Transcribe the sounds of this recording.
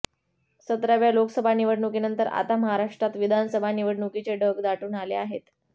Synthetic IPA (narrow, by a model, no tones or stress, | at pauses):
sət̪ɾaʋjaloksəbʱaniʋəɽɳukinənt̪əɾa̰t̪aməɦaɾaʂʈɾat̪ʋid̪ʱanəsəbʱaniʋəɽɳukit͡seɖʱəɡd̪aʈuːnalḛaɦet̪